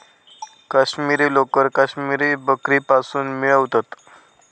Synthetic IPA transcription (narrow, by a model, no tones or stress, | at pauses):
kaɕmiɾiːlokəɾkaɕmiɾiːbəkɾiːpasuːnmiɭəʋt̪at̪